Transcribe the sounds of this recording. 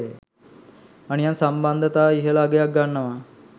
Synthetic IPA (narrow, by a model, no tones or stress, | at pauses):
e | anijansamband̪ət̪aːiɦəlaːɡejak̚ɡanːɐʋa